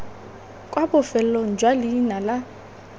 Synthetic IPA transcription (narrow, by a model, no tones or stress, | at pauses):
kʼwabʊfɛl̩loŋ̩d͡ʒwaliːnala